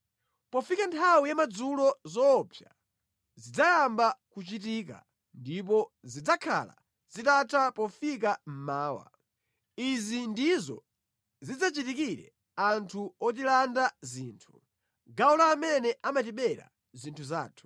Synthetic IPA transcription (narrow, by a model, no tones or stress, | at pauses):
pɔfikantʰawijamad͡zulɔzɔːpʰja̰ | zid͡zajambakut͡ʃit̬ika̰ | ndip̬ɔzid͡zakʰa̰la̰ | zitatʰapɔfikam̩maːwa̰ | izindizɔ̰ | zid͡zat͡ʃitikiɾɛ̰ | antʰuɔt̬ilandaziːntʰu̥ | ɡaulaːmɛnɛʔamat̬iɓɛɾa̰ | zintʰuza̰ːtʰu̥